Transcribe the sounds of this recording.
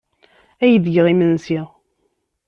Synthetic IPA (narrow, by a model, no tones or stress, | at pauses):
æjəðɡʁimənsiʁ